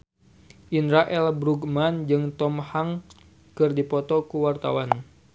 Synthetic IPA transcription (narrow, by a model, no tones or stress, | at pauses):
ʔinɾaʔɛlbɾuɡmand͡ʒɨŋt̪ɔmhaŋ | kɨrdipɔt̪ɔkuwart̪a̰wan